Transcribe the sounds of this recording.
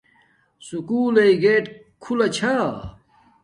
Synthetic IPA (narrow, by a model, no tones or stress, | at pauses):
sukuːleiɡeːʈ | kʰulɐt͡ɕʰa